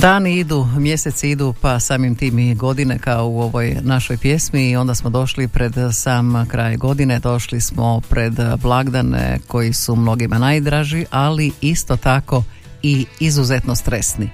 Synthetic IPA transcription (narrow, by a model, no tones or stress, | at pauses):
d̪aːniid̪umje̞set̪siid̪upasaːmimt̪iːmɡo̞d̪inekaouo̞ʋo̞jnaʃojpje̞smiːo̞nd̪asmo̞d̪o̞ʃlipɾe̞d̪saːmkɾaːjɡo̞d̪ine̞d̪o̞ʃlismo̞pɾe̞d̪blˠaɡd̪anḛko̞jisumno̞ɡimanajd̪ɾaːʒiʔaliist̪o̞t̪ako̞ | iizuze̞t̪nost̪ɾesni